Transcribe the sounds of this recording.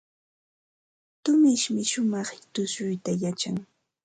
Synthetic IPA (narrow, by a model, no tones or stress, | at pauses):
t̪ʊmɪʃmɪʃʊmɑχt̪ʊsʊjt̪ajat͡ʃaŋ